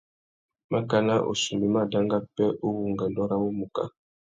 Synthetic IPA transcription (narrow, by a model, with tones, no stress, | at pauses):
ma˦ka˦na˦ʔo̰˨su˨mi˨ma˦da˦ŋɡa˦pɛ˦ʔo˦wu˨ŋɡa˨ndɔ˦ɾa˦wo˦mu˨ka̰˦